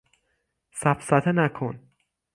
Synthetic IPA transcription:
sæbsæt̪ʰenækʰon

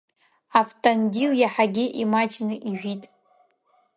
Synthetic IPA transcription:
aftʼanɡʲiljaħaɡʲɪʔimad͡ʒnɨʔiʒʷᶣitʼ

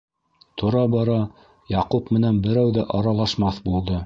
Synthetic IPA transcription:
t̪ʰŏɾɑbɑɾɑ | jɑqupmɘ̆nænbɘ̆ɾæwðæʔɑɾɑlˠɑʃmɑθbulˠd̪ɤ

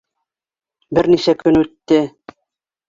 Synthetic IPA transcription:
bɘɾniʃækɵnʉt̪ːɘ

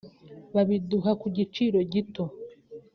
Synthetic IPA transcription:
βaβiduhakuɟit͡ʃiːɾo̞ɟito̞

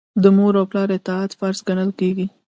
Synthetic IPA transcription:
d̪əmoɾawplɑɾɪt̪ɪat̪faɾzɡanəlkeɡi

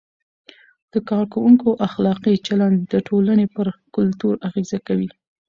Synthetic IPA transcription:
d̪̥əkɑɾkawuŋkoʔaxlɑqit͡ʃaland̪d̪əʈʰolanepəɾkʊlt̪uɾaɣezakawi

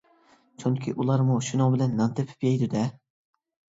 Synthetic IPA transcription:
t͡ʃʰyŋkʲʰiʔulˠɑɾmuʃunoŋbɪlɛnːɑnt̪ʰɪpʰy̥pjɛjd̪ɪd̪ɛ

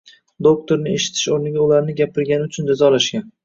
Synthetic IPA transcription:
d̪ok̚t̪ʰoɾnɪe̞ʃɪ̥t̪ʰɪ̥ʃoɾnɪɡʲaʊlaɾnɪɡʲapʰɪɾɡʲanɪʊt͡ʃʰʊnd͡ʒazɒlaʃkʲan

